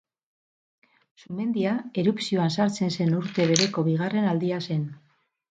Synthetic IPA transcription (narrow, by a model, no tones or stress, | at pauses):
sume̞nd̪iae̞ɾupsioansaɾt͡se̞nse̞nuɾt̪e̞β̞e̞ɾe̞ko̞βiɣ̞are̞nald̪iase̞n